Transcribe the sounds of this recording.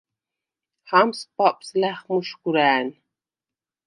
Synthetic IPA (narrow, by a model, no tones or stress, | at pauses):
hamspɑpʼslæχmuʃkuɾæːn